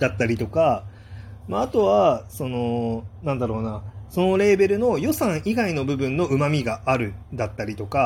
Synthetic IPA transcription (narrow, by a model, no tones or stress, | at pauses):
d̪at̪ːaɾʲit̪o̞ka | maːt̪o̞βaso̞no̞nãnd̪aɾo̞ːnaso̞no̞ɾe̞ːbe̞ɾɯ̟no̞jo̞sãɰ̃iɡaino̞bɯ̟bɯ̟̃nːo̞ɯ̟mamʲiɡaʔaɾɯ̟d̪at̪ːaɾʲit̪o̞ka